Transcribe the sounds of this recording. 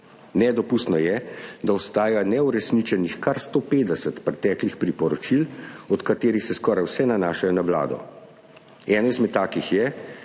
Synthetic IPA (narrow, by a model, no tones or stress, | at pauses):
nɛd̪ɔpust̪nɔjɛd̪aɔst̪aːjanɛuɾɛsnit͡ʃɛnixkaɾst̪oːpeːd̪ɛsət̪pɾɛt̪ɛːklixpɾipɔɾɔt͡ʃilɔt̪kat̪eːɾixsɛskɔːɾajwsɛnanaːʃajɔnaʋla̰ːd̪ɔ̰ | ɛːnɔizmɛt̪ːaːkixjɛ